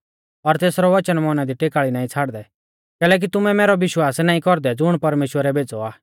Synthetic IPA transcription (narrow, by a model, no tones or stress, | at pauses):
ɔɾt̪eːsɾɔʋɐt͡ʃənmɔːnad̪iʈeːkaːɭinaːĩt͡sʰaːɽd̪ɛ | kɛːlɛːk̬it̪ʊmɛmɛːɾɔʋɪʃwaːsnaːĩkɔɾd̪ɛd͡zʊɽ̃pɐɾmeːʃwəɾɛbeːd͡zɔaː